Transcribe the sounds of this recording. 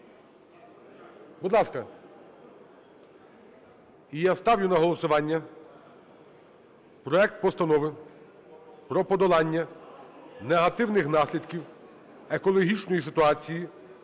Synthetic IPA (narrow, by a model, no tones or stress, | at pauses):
bʊd̪lˠɑskɐ | ijast̪ɑwjʊnɐɦɔlˠɔsʊʋɑnʲːɐ | pɾɔɛk̚t̪̚pɔst̪ɐnɔʋɪ | pɾɔpɔd̪ɔlˠɑnʲːɐ | neɦɐt̪ɪwnɪxnɑsʲlʲid̪kʲiw | ekɔlˠɔɦʲit͡ʃnɔjis̬ɪt̪ʊɑt͡sʲiji